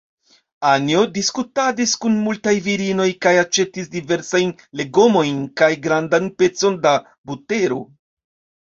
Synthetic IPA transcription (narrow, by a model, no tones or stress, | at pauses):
anjo̞diskutadiskunmultajviɾino̞jkajat͡ʃe̞tisdive̞ɾsajn | le̞ɡo̞mo̞jnkajɡɾandanpe̞t͡so̞nda | bute̞ɾo